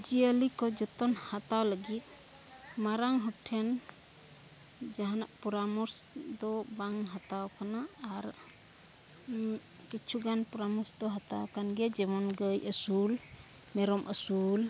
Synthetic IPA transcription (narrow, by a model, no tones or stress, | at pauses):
d͡ʒiəlikɔd͡ʒɔt̪ɔnhat̪awləɡit̪̚ | maɾaŋɦɔk̚ʈʰɛn | d͡ʒaɦanaʔpɔɾamɔɾsd̪ɔbaŋɦat̪awkanaːɾ | kit͡ʃʰuɡanpuɾamɔɾsd̪ɔɦat̪awkanɡɛd͡ʒɛmɔnɡəjʔəsul | mɛɾɔmʔəsul